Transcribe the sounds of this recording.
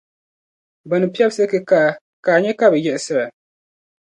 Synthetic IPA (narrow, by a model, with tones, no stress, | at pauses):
ba˨nɨ˨pi˦a˦bsɨ˦kɨ˦ka˦˨ | kaː˨ɲɛ˦ka˦bɨ˨jɛ˦ʔsɨ˦ba˨